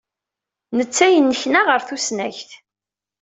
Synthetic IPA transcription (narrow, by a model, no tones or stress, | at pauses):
nət͡sːæjənːəçnaʁəɾθusnæçθ